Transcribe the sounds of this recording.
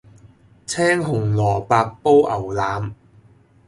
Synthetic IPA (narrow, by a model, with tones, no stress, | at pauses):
t͡sʰɛː˥ŋɦʊ˨˩ŋlɔː˨˩paː˧k̚po˥wʔɐ˨˩wlaː˨˥m